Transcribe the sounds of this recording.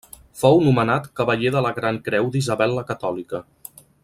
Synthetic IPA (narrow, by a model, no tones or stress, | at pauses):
fownumənat̪kəβəʎeðələɣɾaŋkɾɛwd̪izəβɛlːəkət̪ɔlikə